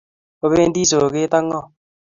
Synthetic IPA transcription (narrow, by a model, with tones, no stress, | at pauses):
o˦βe˦nd̪iː˦soː˨ke˦t̪a˦ŋːɔ˦˨